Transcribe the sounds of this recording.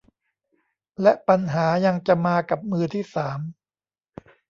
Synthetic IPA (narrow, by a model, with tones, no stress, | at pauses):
lɛ˦˥ʔpa˧nɦaː˩˦ja˧ŋt͡ɕa˨˩maː˧ka˨˩p̚mɯː˧t̪ʰiː˥˩saː˩˦m